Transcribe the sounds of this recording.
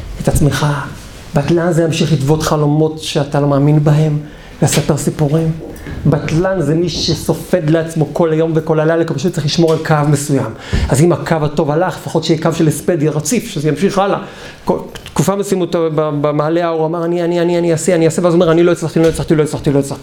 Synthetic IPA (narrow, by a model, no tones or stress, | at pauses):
et̪at͡sme̞χa | batlanzejamʃiχlitvo̞t̪χalo̞mo̞tʃeat̪alo̞maːminbaɦe̞m | veasapeʁsipuʁim | batlanzemiʃeso̞fe̞d̪leat͡smo̞ko̞lajo̞mveko̞lalajlakipaʃ̬ut̪t͡seiχliʃmo̞ʁelkavme̞suja̰m | azimakʰavato̞valaχlefaχo̞t̪ʃejikavʃelesped̪jaʁat͡sifʃezejamʃiχala | kot̪kufamesimut̪ababemaːleaoʁamaʁanianianianiaseaniasevazome̞ʁaniloet͡slaχt̪iloet͡slaχt̪iloet͡slaχt̪ilojet͡slaχt̪ii